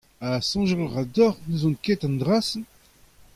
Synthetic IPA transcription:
asɔ̃ʒəʁlʁad̪ɔʁnuzɔ̃nkɛt̪ãnd̪ʁasn

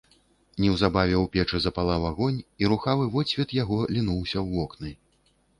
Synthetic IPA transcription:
nʲɛwzabavʲɛwpʲɛt͡ʂɨzɐpalˠavaɣɔnʲiɾuxavɨvɔsʲvʲɛt̪jaɣɔlʲinuwsʲɐwːɔknɨ

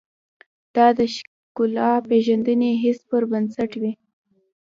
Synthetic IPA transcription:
d̪̥ɑd̪əʃ | kʊlɑpeʒand̪əneɦɪspəɾbansaʈwi

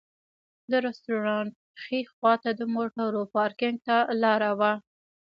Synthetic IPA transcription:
d̪əɾɛsʈuɾɑnʈ̚xixwɑt̪ad̪əmoʈaɾopɑɾkɪŋɡ̚t̪alɑɾawa

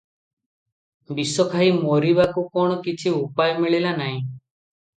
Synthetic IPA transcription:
bisɔkʰaɦimoɾibakukɔɽ̃ɔkit͡ʃʰiupajmiɭilanaɦĩ

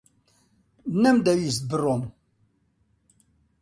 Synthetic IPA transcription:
nːæmd̪æwis̚bərːom

